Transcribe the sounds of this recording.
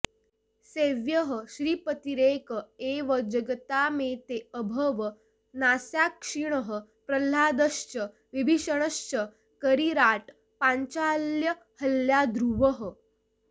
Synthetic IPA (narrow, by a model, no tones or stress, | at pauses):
seʋjəɦəɕɾiːpət̪iɾekəeʋəd͡ʑəɡt̪amet̪eəbʱəʋə | nasjakʂiɳ̃əɦə | pɾəl̤aːd̪əst͡ɕə | ʋibʱiʂəɽ̃əst͡ɕə | kəɾiɾaʈ | pãɲt͡ɕaljə | həljad̪ɾuʋəɦə